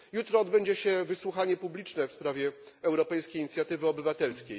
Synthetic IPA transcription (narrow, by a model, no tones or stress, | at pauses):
jut̪ɾɔːd̪bɛɲd͡ʑɛɕɛvɘswuxaɲɛpublʲit͡ʂnɛfspɾavʲjɛ | ɛwɾɔpɛjskʲejiɲit̪sʲjat̪ɘvɘɔbɘvat̪ɛlskʲej